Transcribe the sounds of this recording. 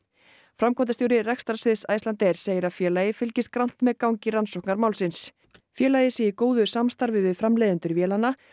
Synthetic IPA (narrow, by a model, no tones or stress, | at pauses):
fɾamkvɔnt̪ast̪joːwɾɪrɛkst̪aɾsvɪðsaːjst̪lant̪ɛɾ̥seːjɪɾaðfjɛːlajɪfɪlcɪst̪̚kɾan̥t̪mɛkawŋcɪɾansɔwhknaɾmaːwlsɪns | fjɛːlajɪsɛikoːwðʏsamst̪aɾvɪvɪðfɾamlɛːðɪnt̪ʏɾvjɛːlanːa